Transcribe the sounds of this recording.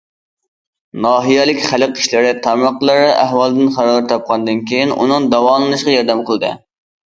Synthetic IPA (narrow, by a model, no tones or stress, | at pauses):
nɑːɦijɛlɪkʲχælɨqi̥ʃlɪɾɪt̪ʰɑmɑqlˠɨɾɨʔæɦwɑlˠɨd̪ɨnχɑɾɑɾt̪ʰɑp̚qʰɑnd̪ɨnkʲʰijinṵnɨŋd̪ɑwɑːlˠɨnɨʃqɑjɑɾd̪ɛmqəlˠɨd̪ɨ̰